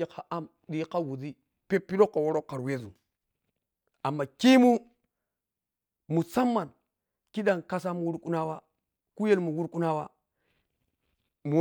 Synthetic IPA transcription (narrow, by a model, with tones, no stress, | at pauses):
e˦ka˨ʔa˦m | ɗi˦ka˦wu˨di˦ | pe˦pːi˦lo˦kːa˨wo˦ɾo˦kːa˨ɾwe˦zu˨ | a˨mːa˨ki˦mu˦ | mu˨sa˦mːa˨n | ki˦ɗa˨nka˦s̬a˦mu˨wu˦ɾku˦na˦wa˦ | ku˦je˦lmu˨wu˦ɾku˦na˦wa˦ | mu˨˦